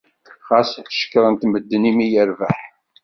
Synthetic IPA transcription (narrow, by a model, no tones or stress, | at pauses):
χɑsʃə̥kːɾˤənt̪məd̪ːənimijəɾvə̰ħ